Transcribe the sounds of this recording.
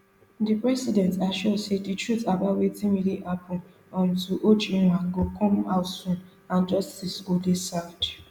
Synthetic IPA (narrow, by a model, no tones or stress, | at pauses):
dipɾɛsidɛ̃ntaʃoseditɹutabawetimiɾiʔapʰʊ | ɔn̩tuʔod͡ʒĩɾaŋ̩ɡokɔ̃m̩aʊsũn | ãnd͡ʒɔstisodesad͡ʒ